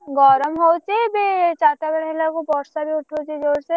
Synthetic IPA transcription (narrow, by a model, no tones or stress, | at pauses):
ɡɔːɾəmɦoːt͡ʃebet͡ʃaːt̪abɐɽelakobɔːssabʱiʊʈʰoːt͡ʃed͡ʒoːɾse